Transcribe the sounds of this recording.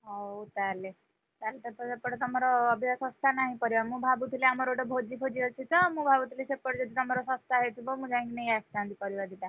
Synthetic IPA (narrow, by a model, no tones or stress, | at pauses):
aut̪aɾle | t̪alet̪əpəsepːəɽt̪ɔmɔɾɔːbʱjasɔst̪ʰanaɦĩpəɾiʋamũbʱabut̪ʰileamɔɾoʈəbʱod͡ʒipʰod͡ʒiət͡ʃʰit̪əmũbʱabut̪ilesepːəɽd͡ʒət̪it̪ɔmɔɾɔsɔst̪ʰaɦet̪ʰibomũd͡ʒãŋkineiast̪ãnd̪ipəɾiʋaɾd̪it̪a